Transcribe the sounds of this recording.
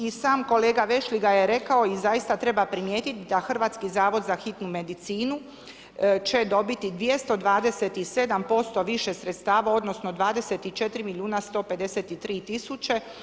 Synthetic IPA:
isaːmko̞le̞ːɡaʋe̞ʃliɡaje̞ɾe̞kao̞izajist̪at̪ɾe̞bapɾimjeːt̪it̪id̪axr̩ʋaːt̪skizaːʋo̞d̪zaxit̪nume̞d̪it̪siːnu | t͡ʃe̞d̪o̞bit̪id̪ʋjest̪o̞d̪ʋaːd̪e̞set̪ise̞d̪ampo̞st̪o̞ʋiʃe̞sɾet̪st̪aːʋao̞d̪no̞snod̪ʋaːd̪e̞set̪it͡ʃe̞t̪ɾimiljuːnast̪o̞ːpe̞d̪e̞set̪it̪ɾiːt̪isut͡ʃe̞

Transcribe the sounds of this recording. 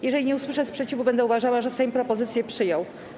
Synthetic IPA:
jɛʐɛlʲiɲɛuswɘʂɛspʂɛt͡ɕivubɛnd̪ɛuvaʐawaʐɛsɛjmpɾɔpɔzɘt̪sʲjɛpʂɘjɔw

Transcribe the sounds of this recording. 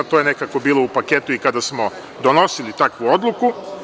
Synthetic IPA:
t̪oje̞ne̞kakobiːlˠo̞upaket̪uikad̪asmo̞ | d̪o̞no̞silit̪akʋuo̞d̪lˠuku

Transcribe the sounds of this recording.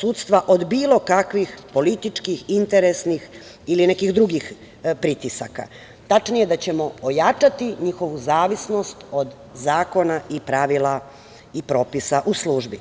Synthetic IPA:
suːt̪st̪ʋaʔo̞d̪biːlˠo̞kakʋixpo̞lit̪it͡ʃkixint̪eɾesnix | iline̞kixd̪ɾuɡix | pɾit̪isaka̰ | t̪at͡ʃnijed̪at͡ɕe̞mo̞ojat͡ʃat̪iɲixo̞ʋuzaːʋisno̞st̪o̞d̪ | zaːko̞naʔipɾaʋila | ipɾo̞ːpisaʔusluːʒbi

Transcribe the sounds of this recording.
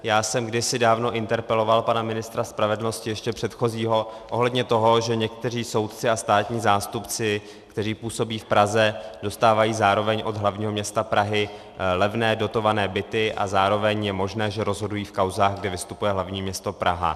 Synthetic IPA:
jaːsɛmɡdɪsɪdaːvno̞ʔɪnt̪ɛɾpɛlo̞valpanamɪnɪst̪ɾaspɾavɛdl̩no̞scɪjɛʃcɛpr̝̥ɛt̪xo̞ziːɦo̞ʔo̞ɦlɛdɲɛt̪o̞ɦo̞ʒɛɲɛkt̪ɛr̝iːso̞wt̪t͡sɪast̪aːt̪ɲiːzaːst̪upt͡sɪ | kt̪ɛriːpuːso̞biːfpɾazɛdo̞st̪aːvajiːzaːɾo̞vɛɲʔo̞d̪ɦlavɲiːɦo̞mɲɛst̪apɾaɦɪ | lɛvnɛːdo̞t̪o̞vanɛːbɪt̪ɪʔa̰zaːɾo̞vɛɲjɛmo̞ʒnɛːʒɛɾo̞zɦo̞dujiːfkawzaːɣɡdɪvɪst̪upujɛɦlavɲiːmɲɛst̪o̞pɾa̰ɦa̰

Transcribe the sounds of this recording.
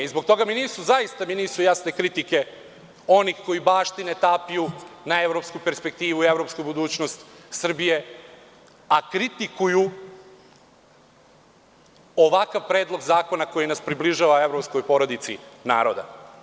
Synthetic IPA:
izbokt̪o̞ɡaminiːsuzajist̪aminiːsujasne̞kɾit̪ike̞ | o̞nixko̞jibaːʃt̪inet̪aːpijunae̞ʋɾo̞pskupe̞ɾspe̞k̚t̪iːʋuievɾo̞pskubud̪uːt͡ɕnost̪sr̩bije̞ | akɾit̪ikuju | oʋakaʋpɾe̞ːd̪lˠo̞ɡzaːko̞nako̞jinaspɾibliʒaʋae̞ʋɾo̞psko̞jpo̞ɾo̞d̪it̪sḭna̰ːɾo̞d̪a̰

